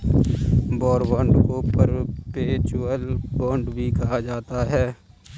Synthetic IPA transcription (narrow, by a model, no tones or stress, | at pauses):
bɔːɾbãːɳɖkopəɾpeːt͡ʃuəlbɔ̃ːɳɖbʱikaad͡ʒaːt̪aɦɛː